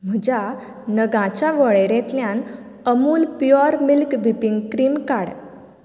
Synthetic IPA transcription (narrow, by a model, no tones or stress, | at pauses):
m̤əd͡ʑa | nəɡãt͡ɕaʋəɭeɾẽt̪ljãn | əmuːlpjɔɾmilkbʱipiŋɡkɾiːmkaɽ